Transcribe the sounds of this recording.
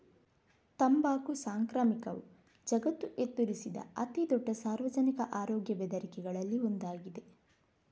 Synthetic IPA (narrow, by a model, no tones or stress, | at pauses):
t̪ɐmbaːkusaːŋkɾaːmikɐʋṵ | d͡ʒɐɡɐt̪ːuʔet̪ːuɾisid̪ɐ̰ɐt̪id̪ɔɖːɐsaːɾʋɐd͡ʒɐnikɐʔaːɾɔːɡjɐbɛd̪ɐɾikɛɡɐɭɐlːiond̪aːɡid̪e̞